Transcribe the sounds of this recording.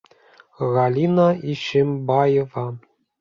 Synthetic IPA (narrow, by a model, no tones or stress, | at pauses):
ɣɑlʲinɑiɕɘmbɑjɤvɑ